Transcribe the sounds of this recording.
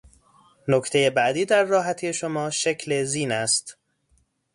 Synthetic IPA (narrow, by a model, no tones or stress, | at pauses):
nokʰt̪ʰe̞je̞bæʔd̪iːd̪æɾːɒːɦæt̪ʰiːjeʃo̞mɒːʃecʰleziːnæst̪